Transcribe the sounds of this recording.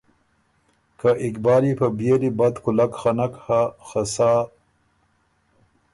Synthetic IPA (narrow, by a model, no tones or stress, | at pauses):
kaʔɪkbɑːɾipabijelibad̪kulakxanakhaxasa